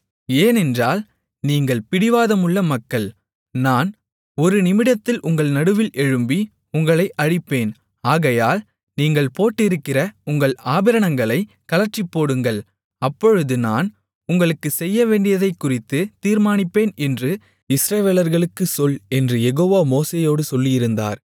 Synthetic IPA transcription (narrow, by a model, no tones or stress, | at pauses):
eːnɛndraːl | niːŋɡɐɭpɪɽɪʋaːðɐmɯɭːɐmɐkːɐɭ | naːn | ɔɾɯnɪmɪɽɐt̪ːɪlʔʊŋɡɐɭnɐɽɯʋɪlʔɛɻɯmbi | ʊŋɡɐɭɐɪʔɐɻɪpːeːn | aːɣɐjaːl | niːŋɡɐɭpoːʈːɪɾɯkːɪrɐʊŋɡɐɭaːbɪɾɐnɐŋɡɐɭɐɪ | kɐlɐt͡ʃːɪpːoːɽɯŋɡɐɭ | ɐpːɔɻɯðɯnaːn | ʊŋɡɐɭɯkːɯsɛjːɐʋeːɳɖɪjɐðɐɪkːʊrɪt̪ːɯt̪iːɾmaːnɪpːeːnɛndrɯ | ɪsɾɐʋeːlɐɾɣɐɭɯkːɯsɔlɛndrɯjɛɣoːʋaːmoːseːjoːɽɯsɔlːɪjɪɾɯnd̪a̰ːɾ